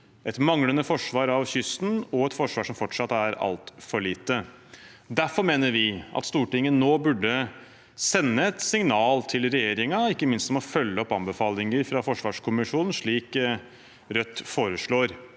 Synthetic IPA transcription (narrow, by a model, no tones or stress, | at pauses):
ʔɛt̪mɑŋlənəfɔʂʋɑːɾɑʋçʏst̪nɔɛt̪fɔʂʋɑːʂɔmfɔʈʂɑt̪ːæɾɑ̰lt̪fɔɭiːt̪ə | d̪æfɔɾmeːnəɾʋɪʔɑ̰t̪st̪uːʈɪŋːənːoːbʉɖːə | sɛnːəɛt̪sɪŋnɑːlt̪ʰɪlɾɛjeːɾɪŋɑɪkːəmɪnst̪smɔfœlːəɔpːɑmbəfɑːlɪŋəɾfɾɑfɔʂʋɑːʂkʰʊmɪʂuːnn̩ʂɭiːk | ɾœt̪ːfoːɾəʂɭoːɾ